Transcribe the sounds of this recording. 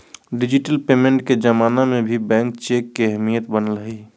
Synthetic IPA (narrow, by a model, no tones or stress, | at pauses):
ɖɪd͡ʒɪʈəlpeːmẽɳʈked͡ʒəmaːnamẽbʱibɛ̃ːŋk̚t͡ʃeːkːeɦɛmijət̪bənəlɦəi